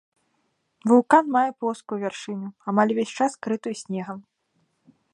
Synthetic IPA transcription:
vulˠkanmajɛplˠɔskujuvʲarʂɨnʲuamalʲvʲesʲt͡ʂaskɾɨt̪ujsʲnʲɛɣɐm

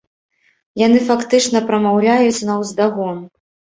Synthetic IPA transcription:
janɨfakt̪ɨt͡ʂn̪ɐpɾɐmawlʲajut͡sʲnɐwzd̪aɣɔn

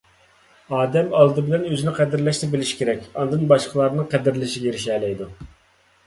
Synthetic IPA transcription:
ɑːd̪ɛmɑlˠd̪ɨbɪlɛnøzɪnɪqʰɛd̪ɪɾlɛʃt̪ɛbɪlɪʃi̥kʲʰeɾɛkʲɑnd̪ɨnbɑʃqʰəlˠɑɾnɨŋqʰɛd̪ɪɾlɪʃiɡʲɛeɾɪʃɛːlɛjd̪u

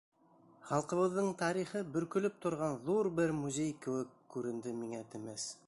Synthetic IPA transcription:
χɑlˠqɤ̆βɤ̆ðːɤɴt̪ɑɾiχɤbɵ̆ɾkɵ̆lɵp̚t̪ŏɾʁɑnðuɾbɘɾmuzʲejkɘ̆wɘkːʉɾɘ̆nd̪ɘmiŋæt̪ɘ̆mæs

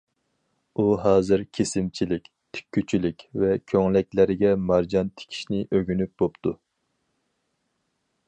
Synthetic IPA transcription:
uɦɑːzɨɾkʲʰesɪmt͡ʃʰilɪkʲt̪ʰy̥kʲʰːyt͡ʃʰilɪkʲvɛkʲʰøŋlɛk̚ʲlæɾɪɡʲɛmɑɾd͡ʒɑnt̪ʰe̥kʲʰi̥ʃnɪʔøɡʲynyp̚bopt̪ʰu

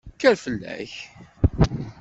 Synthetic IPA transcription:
kːæɾfəlːæ̰ç

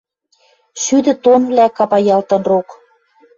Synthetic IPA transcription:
ʃyd̪ɘ̆t̪onβlækɑpɑjɑlt̪ɤ̆nrok

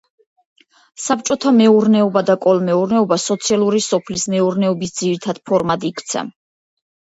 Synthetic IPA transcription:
sap̚t͡ʃʼɔt̪ʰamɛuɾnɛɔbad̪akʼɔlmɛuɾnɛɔbasɔt̪sʰialˠuɾisɔpʰlismɛuɾnɛɔbisd̪ziɾit̪ʰad̪̥pʰɔɾmad̪ikʰt̪sʰa̰

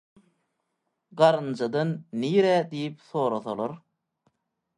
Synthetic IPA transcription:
ɢɑɾɯnd͡ʒɑd̪ɑnːiːɾæd̪ijip̚θoːɾɑθolˠoɾ

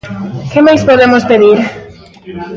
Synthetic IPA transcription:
kɪmajspoðemʊspeðiɾ

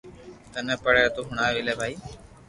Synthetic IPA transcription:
t̪ənɛ̃ːpəɽeːt̪uːɦʊɳaːʋeːleːbʱaːiː

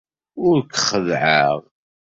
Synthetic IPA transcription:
ʊɾkəχəðʕaʁ

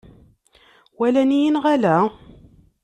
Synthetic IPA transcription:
wælænijinʁælæ

